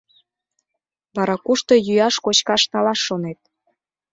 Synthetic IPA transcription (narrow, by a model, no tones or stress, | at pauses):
βɑɾɑkuʃt̪ojyjɑʃkot͡ɕkɑʃnɑlɑʃːonet̪̚